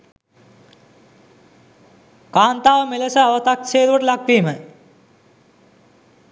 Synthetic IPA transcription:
kaːnt̪aːʋəmeləsəaʋət̪akʃeːt̪uʋəʈəlakʋiːmə

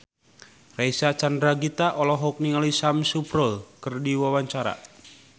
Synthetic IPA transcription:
raisat͡ʃandɾaɡit̪aʔɔlɔɦɔk̚niŋalisamsupɾɔlkɨrdiwawaɲt͡ʃaɾa̰

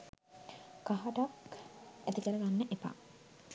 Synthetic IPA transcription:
kaɦaʈakæt̪ikəɾəɡanːəʔepa̰

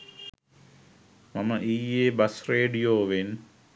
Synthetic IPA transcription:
mɐməʔiːjeːbɐsreːɖijoːʋen

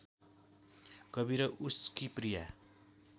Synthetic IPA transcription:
kʌbiɾʌʔuskiprija̰

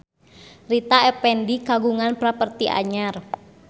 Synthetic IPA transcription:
rit̪aɛpɛndikaɡuŋanpɾapərt̪iʔa̰ɲar

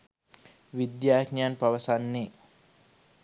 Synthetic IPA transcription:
wid̪jakɲanpawasanːe

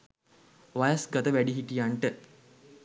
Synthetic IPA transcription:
ʋajəsɡat̪əʋæɖiɦiʈijaɳʈə

